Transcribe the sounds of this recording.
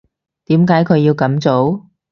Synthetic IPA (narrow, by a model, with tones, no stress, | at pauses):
t̪iː˨˥mkaː˨˥jkʰɵ˨˧ɥjiː˧wkɐ˨˥mt͡so˨˥w